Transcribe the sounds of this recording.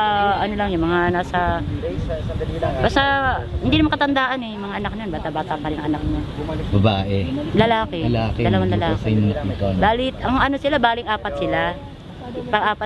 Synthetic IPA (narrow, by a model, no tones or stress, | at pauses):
ʔɐnolɐŋjʊŋmɐŋanaːsɐ | bast̪ahɪnd̪inɐmaŋkɐt̪ɐnd̪aːʔɐnɛjʊŋmɐŋaʔɐnak̚nɐonbaːt̪abaːt̪apɐɾɪɐŋʔɐnak̚ɲobɐbaːʔɛlɐlaːkɛlaːkɛd̪ɐlɐwanlɐlaːkɐjmt̪̚it̪obaːlɪt̪ɐŋʔɐno̞sɪlabaːlɪŋʔaːpɐt̪̚sɪla | pɐɡʔaːpɐ